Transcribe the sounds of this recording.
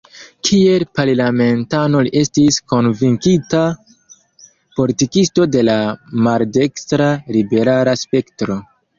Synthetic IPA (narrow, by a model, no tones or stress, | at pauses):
kʰie̞lpaɾlame̞ntanoliʔe̞stisko̞nviŋkita | po̞litikisto̞de̞lamalde̞kstɾalibe̞ɾalaspe̞ktɾo̞